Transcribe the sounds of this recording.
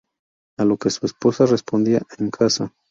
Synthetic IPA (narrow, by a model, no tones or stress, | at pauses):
alo̞ke̞suespo̞sare̞spo̞nd̪iaʔeŋkʰasa